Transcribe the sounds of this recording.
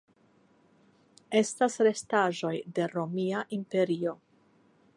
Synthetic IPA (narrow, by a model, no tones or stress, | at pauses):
e̞stasɾe̞staʒo̞jde̞ɾo̞miaʔimpe̞ɾio̞